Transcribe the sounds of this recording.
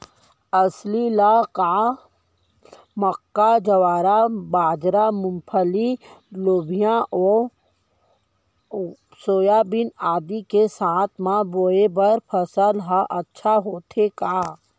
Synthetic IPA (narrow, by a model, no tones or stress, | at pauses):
əslilaka | məkːad͡ʒəwaːɾabaːd͡ʒɾamʊ̃mpʰəliloːbʱijãʔɔ | soːjabɪnaːd̪ikesaːt̪ʰmãboːebəɾpʰəsəlɦaʔɐtːʃʰaɦoːt̪ʰekaː